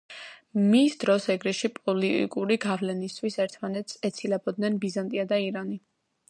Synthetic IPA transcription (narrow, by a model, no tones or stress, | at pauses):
misd̪ɾɔsɛɡɾiʃipʼɔlit̪ʼḭkʼuɾiɡavlɛnist̪ʰwisɛɾt̪ʰmanɛt̪sʰɛt̪sʰilɛbɔd̪nɛnbizant̪ʼiad̪aiɾani